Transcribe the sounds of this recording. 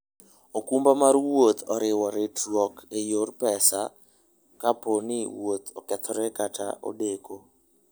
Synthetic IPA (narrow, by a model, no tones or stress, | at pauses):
okumbamarwot̪ʰɔɾɪwɔɾɛtwɔkejorpɛsa | kaponɪwot̪ɔ̰kɛt̪ʰɔɾɛkatʰa̰ʔo̰deko